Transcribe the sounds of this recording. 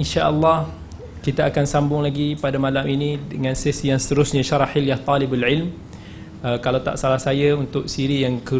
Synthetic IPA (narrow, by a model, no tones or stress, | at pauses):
inʃaʔəlːɑh | kit̪aːkansambʊŋlaɡipadamalaminĩdəŋãnsɛsjaŋsə̥t̪əɾʊsɲaʃaɾˤɑħɪljaht̪ˤɔlɪbalʕɪlm | əkalawt̪a̰ʔsalahsajaunt̪ʊk̚siɾijaŋkə